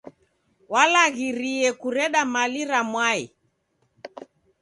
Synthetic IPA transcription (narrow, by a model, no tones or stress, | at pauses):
walaɣiɾiɛkuɾɛɗamaliɾamwaḭ